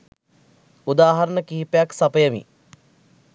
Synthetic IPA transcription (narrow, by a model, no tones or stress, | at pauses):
ud̪aːɦaɾənəkiɦipəjaksapəjəmḭ